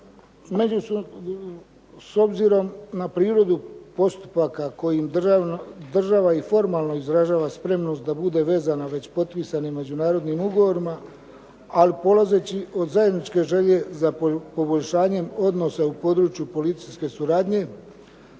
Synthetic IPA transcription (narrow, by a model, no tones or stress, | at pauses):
meu | so̞bziɾo̞mnapɾiːɾo̞d̪upo̞st̪u̥pakako̞jim | d̪r̩ʒaʋaifo̞ɾmaːlˠno̞izɾaʒaːʋaspɾe̞mno̞st̪d̪abud̪e̞ʋe̞ːzanaʋe̞t͡ɕpo̞t̪piːsanimːe̞d͡ʑunaːɾo̞d̪nimuɡo̞ʋo̞ɾima | alipo̞laze̞t͡ɕiʔo̞d̪zaje̞d̪nit͡ʃke̞ʒe̞ʎe̞zapo̞bo̞ʎʲʃaːɲe̞mo̞d̪no̞saupo̞d̪ɾuːt͡ʃjupo̞lit̪sijske̞suɾaːd̪ɲe̞